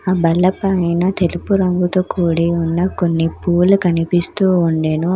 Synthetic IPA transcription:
aːbɐlːɐpɐjnɐt̪elupuɾɐŋɡut̪oːkʰuːɽiunːɐkonːipuːlukɐnipist̪uːuɳɖeːnu

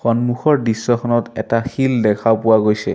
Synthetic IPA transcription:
xɔnmuxɔɹdisːɔxʰɔnɔtɛ̰taxildɛkʰapʊwaɡojsɛ̰

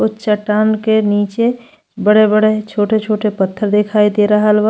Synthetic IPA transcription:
ʊt͡ʃɐʈːaːnkeniːt͡ʃe | bəɽebəɽet͡ʃʰoːʈet͡ʃʰoːʈepət̪ʰːəɾd̪ekʰaːid̪eːɾɐɦəlʋa

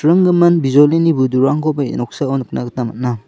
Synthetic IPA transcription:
ɾɯŋɡɯmɐnbizolinibuduɾaŋɡɔbajḛnɔk̚saonɯk̚naɡɯtamat̚na

